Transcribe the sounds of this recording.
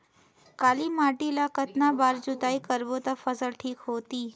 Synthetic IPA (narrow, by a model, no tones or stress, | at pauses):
kaːlimaʈilakət̪nabaːɾd͡ʒʊt̪aikəɾʋot̪afəsəlʈʰiːkɦoːt̪iː